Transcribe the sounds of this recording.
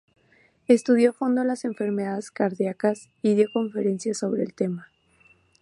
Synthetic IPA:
est̪uðjo̞fo̞nd̪olase̞ɱfe̞ɾme̞ðaðeskaɾðjakas | iðjo̞ko̞ɱfe̞ɾe̞nsjaso̞βɾe̞̰ːlt̪e̞ma

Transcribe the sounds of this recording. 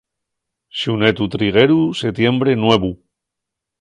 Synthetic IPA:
ʃunet̪ut̪ɾiɣ̞eɾuset̪je̞mbɾe̞nwe̞βu

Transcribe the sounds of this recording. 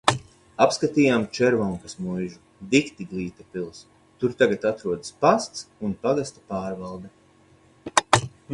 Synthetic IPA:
apskat̪iːjamt͡ʃɛɾvɔŋkasmujʒu | d̪ikt̪iɡlˠiːt̪apilˠs | t̪uɾt̪aɡat̪at̪ɾuɔd̪spast̪sunpaɡast̪ḁpaːɾvalˠd̪ɛ

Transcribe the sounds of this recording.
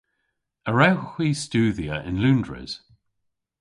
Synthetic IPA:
əɹɛwxwiːstʉːðiəʔɪ̃nlʉndɹɪ̰z̥

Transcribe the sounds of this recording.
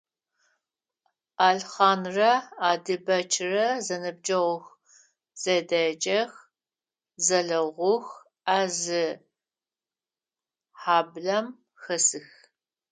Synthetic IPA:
aːɮχɑːnrɐaːdɨbɐt͡ʃʰrɐzɐnɨb̚d͡ʒʼɐʁʷʊx | z̥ɐdɐt͡ʃʼɐx | zɐɮɐʁʷʊx | aːzɨ | ħaːbɮɐm | xɐsɨx

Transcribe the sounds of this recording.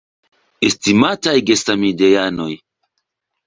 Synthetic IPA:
estimatajɡesamidejano̞j

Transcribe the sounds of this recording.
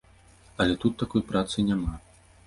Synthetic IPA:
ɐlʲɛt̪ut̪ːakɔjpɾat̪sɨnʲama

